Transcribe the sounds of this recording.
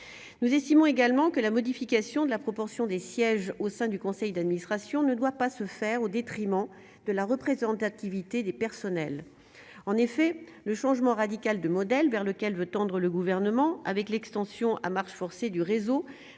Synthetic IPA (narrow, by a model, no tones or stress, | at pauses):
nuzɛst̪imɔ̃eɡalmɑ̃kəlamɔd̪ifikʲasjɔ̃d̪əlapχɔpɔʁsjɔ̃d̪esjɛʒosɛ̃d̪ykɔ̃sɛjd̪ad̪minist̪χasjɔ̃nəd̪wapasəfɛʁod̪et̪χimɑ̃ | d̪̥əlaʁəpχezɑ̃t̪at̪ivit̪ed̪epɛʁsɔnɛl | ɑ̃nefɛ | ləʃɑ̃ʒmɑ̃ʁad̪ikʲald̪əmɔd̪ɛlvɛʁləkʲɛlvøt̪ɑ̃d̪ʁələɡuvɛʁnəmɑ̃avɛklɛkst̪ɑ̃sjɔ̃ʔa̰maʁʃfɔʁsed̪yʁezo